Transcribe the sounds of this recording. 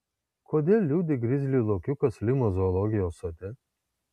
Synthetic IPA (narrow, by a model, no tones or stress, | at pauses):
kʰod̪ʲelʲːud̪ʲiɡɾizʲlʲilˠɔkʲjukɐslʲimɐzɔlˠɔɡʲijɔsɐd̪ʲɛ